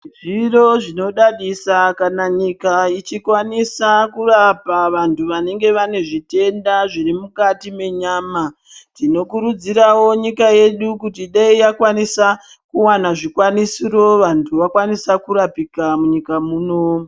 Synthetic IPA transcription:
ʐiro̞ʐino̞ɗaɗisakanaɲikait͡ʃikwanisakurapaʋantʰuʋane̞ŋɡe̞ʋane̞ʐite̞ndaʐiɾimukatime̞ɲaːma | tino̞kuɾud͡ziɾawo̞ɲikaje̞ɗukutiɗaijakwanisa | kuwanaʐikwanisiro̞ʋantʰuʋakwanisakuɾapikamuɲikamuːno̞

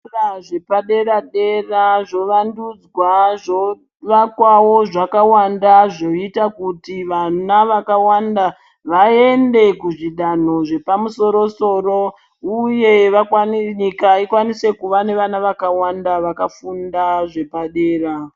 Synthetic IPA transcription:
raʐe̞paɗe̞ɾaɗe̞raʐo̞ʋandud͡zwaʐo | ʋakwawo̞ʐakawandaʐo̞itakutiʋanaʋakawanda | ʋae̞nde̞kuʐiɗano̞ʐe̞pamuso̞ɾo̞so̞ːro̞ | uje̞ʋakɲikaikwanise̞kuʋane̞ʋanaʋakawandaʋakafundaʐe̞paɗe̞ːra

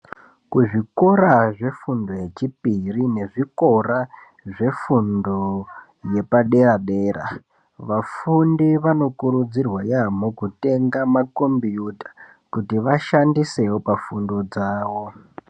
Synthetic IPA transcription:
kuʐiko̞ɾaʐe̞fundo̞je̞t͡ʃipirine̞ʐiko̞ra | ʐe̞fundo̞ | je̞paɗe̞raɗe̞ːra̰ | ʋafundiʋano̞kuɾud͡zirwajam̤okute̞ŋɡamako̞mbijutḁ | kutiʋaʃandise̞wopafundo̞d͡zaːwo̞

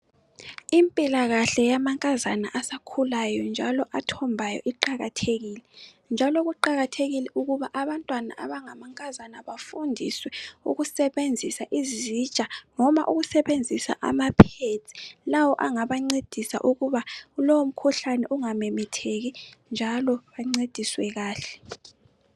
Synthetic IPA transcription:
impʼilaɣaɬɛjamaŋkʼazanaʔasakʰulajɔnd͡ʒʱalɔʔatʰɔmbʱajɔ̰ʔiǃaɣatʰeɣiːlɛ | nd͡ʒʱaloɣuǃaɣatʰeɣilɛʔuɣuβaʔaβantʼwana̰ʔa̰βaŋamaŋkʼazanaβafundʱiswɛṵɣusɛβend͡zʱisaʔizit͡ʃʼanɔma̰ʔuɣusɛβend͡zʱisa̰ʔa̰mapʰiet͡sʼi̥lawɔʔaŋaβaŋ͡ǀed̥ʱisa̰ʔuɣuβaulowom̩kʰuɬanɛʔuŋamɛmɛtʰeɣind͡ʒʱalɔβaŋ͡ǀed̥ʱiswɛɣaːɬɛ̥

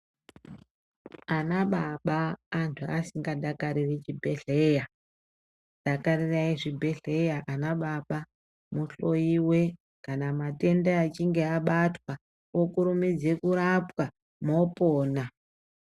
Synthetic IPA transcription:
anaɓaɓaːntʰuasiŋɡaɗakaɾirit͡ʃibʱeɮeja | ɗakaɾiraiʐibʱe̞ɮe̞jaʔanaɓaɓa | muɬo̞jiwe | kanamate̞ndaat͡ʃiŋɡe̞aɓatwa | okuɾumid͡ze̞kuɾapwa | mo̞poːna

